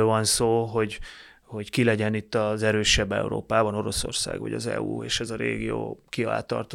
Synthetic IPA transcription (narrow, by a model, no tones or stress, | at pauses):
lvɒnsoːɦo̞ɟ | ho̞ɟkilɛɟɛnit̪ːɒzɛɾøːʃɛbːɛ̰ṵɾo̰ːpaːbɒno̞ɾo̞so̰rsa̰ːɡʋɒ̰ɟɒ̰zɛ̰uːeːʃɛzɒɾeːɡijooːkiɒla̰ːt̪ɒ̰rt̪o